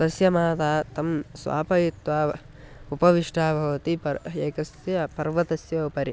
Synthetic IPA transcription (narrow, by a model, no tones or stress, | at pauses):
t̪ɐsjɐmaːt̪aːt̪ɐmsʋa̰ːpɐjit̪ʋaː | upɐʋiʂʈʰaːbʱɐʋɐt̪ipɐeːkɐsjɐpɐɾʋɐt̪ɐsjɐupɐɾi